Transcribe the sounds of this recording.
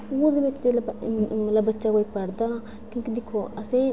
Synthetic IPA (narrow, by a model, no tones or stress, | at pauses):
oːd̪mẽːt̪ɪelbmɐt̪ləbːətːʃaːkoːiːpəɽd̪aːãː | kjõːkid̪ɪkʰːoːəsẽː